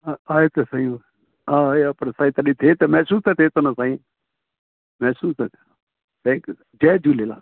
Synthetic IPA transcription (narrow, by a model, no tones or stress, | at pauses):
aːet̪esaĩ | aːapənsaːĩːt̪əɗiːt̪ʰeːt̪emɛːsuːst̪ɛt̪ʰeːt̪oːnasaːĩː | mɛːsuːst̪ɛt̪ʰː | t̪ʰɛ̃ːŋkju | d͡ʒɛːd͡ʒuːleːla̰ː